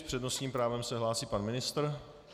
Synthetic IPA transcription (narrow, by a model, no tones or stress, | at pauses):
pr̥ɛdno̞sɲiːmpɾaːvɛmsɛɦlaːsiːpanmɪnɪst̪r